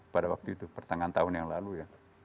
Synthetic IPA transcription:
padawak̚t̪uit̪upərt̪aŋant̪aʊnjaŋlaluja

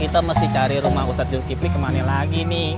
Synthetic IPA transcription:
kit̪aməst̪ɪht͡ʃaɾiɾumahusat̪̚d͡ʒuɾkiplikəmanalaɡinɪh

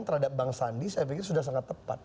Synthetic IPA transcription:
nt̪əɾhadap̚baŋsandisapikɪrsudahs̬aŋat̪ːəpat̪̚

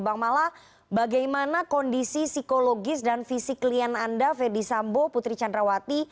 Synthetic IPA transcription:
baŋmalah | baɡajmanakɔndisisikoloɡɪsdanfisiklianandafɛrdisamboput̪ɾit͡ʃandɾawat̪i

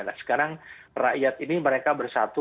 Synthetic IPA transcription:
la̰sə̥kaɾaŋra̰ʔjat̪iniməɾekabərsat̪u

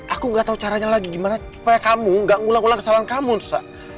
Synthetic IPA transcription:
ʔakuŋɡaʔt̪aut͡ʃaɾaɲalaɡiɡimanasu̥pajakamuŋɡaʔŋulaŋɡulaŋkəsalankamun̥sa

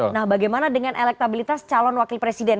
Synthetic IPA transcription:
nahbaɡajmanadəŋanʔelɛk̚t̪abilit̪ast͡ʃalɔnwakilpɾesidɛn

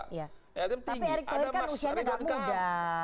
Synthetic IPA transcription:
jat̪apiaɾik̪̚akːanusiaɲaŋɡaʔmuda

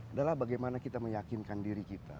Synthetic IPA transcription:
adalahbaɡajmanakit̪aməjakinkandiɾikit̪a̰

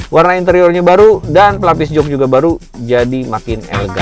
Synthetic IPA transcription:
warnaint̪əɾiɔrɲabaɾudanpəlapɪs̬d͡ʒɔk̚d͡ʒuɡabaɾu | d͡ʒadimakɪnɛ̰lɡa̰

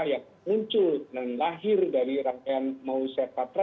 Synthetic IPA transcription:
jaŋ | muɲt͡ʃʊldanlaɦɪrdaɾiɾaŋkaanmausat̪at̪ɾa

